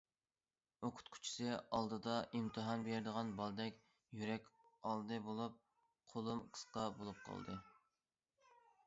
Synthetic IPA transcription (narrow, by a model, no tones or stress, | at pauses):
oqʰʊ̥t̪kʲʰy̥t͡ʃʰi̥sɪɑlˠd̪ɨd̪ɑʔimt̪ʰɨɦɑnbeɾɪd̪əʁɑnbɑlˠd̪ɛkʲ | jyɾɛkʲɑlˠd̪ɨbolˠup̚ | qʰolˠumqʰə̥sqɑbolˠup̚qʰɑ̰lˠd̪ɨ